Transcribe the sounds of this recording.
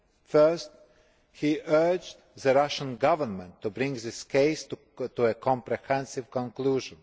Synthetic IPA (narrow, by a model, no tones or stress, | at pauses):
fɜ˞st | hiʔɜ˞d͡ʒ | ðəɹaʃə̃nɡʌvə˞mɛ̃ntʰːubɾɪ̃ŋɡðɪskʰeɪs | tuəkʰɔ̃mpɾɛhɛ̃nsɪvkɔ̃nkluʒə̃n